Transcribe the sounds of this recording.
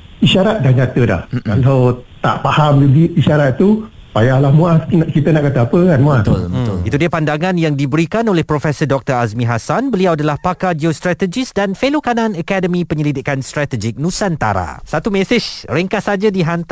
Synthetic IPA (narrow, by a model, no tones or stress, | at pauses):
iʃaɾat̪̚dahɲãt̪əda̰hkalawt̪a̰ʔpahamd͡ʒudiiʃaɾat̪̚ːu | pajalahmũasnkit̪ənaʔkat̪əapəkanmũat̪ʊlbəʊ̰lḭt̪udiəpandaŋãnjaŋdibəɾikanolɛhpɾofɛsədɔk̚t̪əɾasmĩɦasanbəliawadalahpakad͡ʒiost̪ɾat̪əd͡ʒisdanfelokananəkadəmĩpəɲəlidɪkanst̪ɾat̪əd͡ʒɪk̚nũsant̪a̰ɾa̰sat̪umɛsɪʃɾəŋkasad͡ʒadiɦant̪